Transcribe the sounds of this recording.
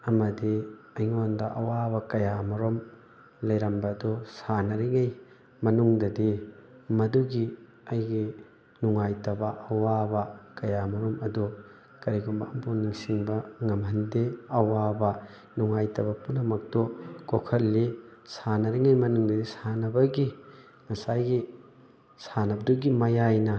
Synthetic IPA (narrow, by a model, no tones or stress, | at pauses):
ɐmɐdi | ɐjŋondɐʔɐwabɐkɐjamɐɾom | lɐjɾɐmbɐːdusanɐɾiŋɐj | mɐnuŋdɐdimɐduɡi | ɐjɡi | nuŋajtɐbɐʔɐwabɐkɐjamɐɾomɐdu | kɐɾiɡɔmbɐɐmponiŋsiŋbɐŋɐmhɐndeɐwabɐ | nuŋajtɐbɐpunːɐmɐk̚tɔkokʰɐlːisanɐɾiŋɐjmɐnuŋdɐdisanɐbɐɡi | ŋɐsajɡi | sanɐbɐduɡimɐjajnɐ